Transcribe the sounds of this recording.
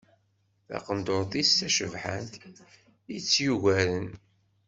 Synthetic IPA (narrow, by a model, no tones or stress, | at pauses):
θɑ̰qənd̪ʊɾθistæʃəvħa̰nt̪ | it͡sːjuʝæɾən